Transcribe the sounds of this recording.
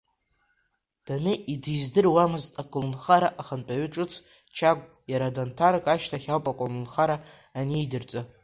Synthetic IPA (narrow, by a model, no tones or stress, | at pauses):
d̥anɨʔidizdɨrwamɨztʼakʷʼʊlnχaɾaʔaχənpʼaɥʏʈ͡ʂʼɨt͡sʰ | t͡ʃʰaɡ̚ʷʼ | jaɾadantʰarkʼaʃtʰaχʲawpʼakʷʼʊlnχaɾaː | niːdɨrt͡sʼa